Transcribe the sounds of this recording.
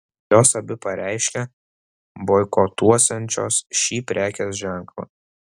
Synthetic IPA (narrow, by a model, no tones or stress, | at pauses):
joːsɐbʲɪpɐɾʲʔɛˑɪʃʲkʲɛ | boːɪkoːt̪uɔsʲɛnʲt͡ʃʲoːsʃʲiːpʲɾʲʔæːkʲesʒʲæˑŋklˠɐ̰